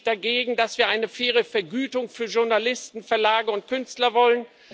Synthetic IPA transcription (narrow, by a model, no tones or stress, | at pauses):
d̥aɡeːɡŋ̩dasv̥iːɐʔaɪnəfeːʁ̞əfɛɐɡyːtʊŋfyːɐʒʊɐnalɪstn̩fɛɐlaːɡəʊnt̚kʰʏnstlɐvɔlən